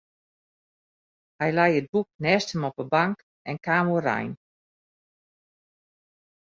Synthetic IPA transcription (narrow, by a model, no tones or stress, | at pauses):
hɛjlɛjəd̚buk̚nɛːstəmɔpəbaŋk | ɛnkaːmura̰jn